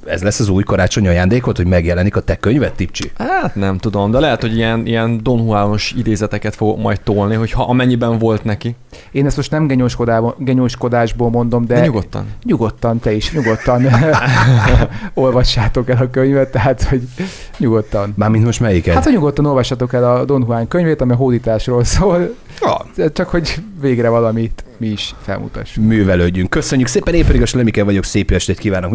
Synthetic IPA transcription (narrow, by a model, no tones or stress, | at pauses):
ɛ̰zlɛsːɒzuːjkɒɾaːt͡ʃo̞ɲɒjaːnd̪eːko̞t̪hoɟmɛɡjɛlɛnikɒt̪ɛkøɲvɛt̪ːip̚t͡ʃḭhaːt̪nɛmt̪ud̪o̞md̪ɛlɛɦɛt̪ho̞ɟijɛnijɛnd̪o̞nhuaːlno̞ʃid̪eːzɛt̪ɛkɛt̪fo̞ɡo̞kmɒ̰jt̪t̪oːlniɦo̞chɒʔɒmɛɲːibɛɱvo̞lt̪nɛki | eːnɛst̪mo̞ʃt̪nɛmɡɛɲoʃkod̪aːoɡɛɲoʃko̞d̪aːʒboːlmo̞n̪d̪o̞md̪ɛɲuɡot̪ːɒ̰nɲuɡo̞t̪ːɒnt̪ɛiʃɲuɡo̞t̪ːɒn | o̞lvɒʃːaːt̪o̞kɛlɒkøɲvɛt̪ːɛɦaːt̪ho̞ɟ | ɲuɡo̞t̪ːɒnmaːɾmint̪mo̞ʃt̪mɛjikɛhːt̪oɲuɡo̞t̪ːɒno̞lvɒʃːɒt̪o̞kɛlɒd̪o̞nɦuaːŋkøɲveːt̪ɒmiɒɦoːd̪iːt̪aːʃroːlsoːl | ɒ̰ɛt͡ʃɒkho̞ɟveːɡɾɛvɒlɒmit̪miiʃfɛ̰lmṵt̪ɒ̰ʃːumyːvɛløːɟːyŋkːøsøɲːykseːpɛneːmpɛd̪iɡɒʃlɛmikɛvɒɟo̞kseːpyɛʃt̪eːt̪kiːvaːnok